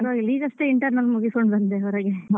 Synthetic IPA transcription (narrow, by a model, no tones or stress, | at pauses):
ɾoliːɡɐsʈeiɳʈɐɾnɐlːmuɡiskoɳɖbɐnd̪eɐɾɐɡe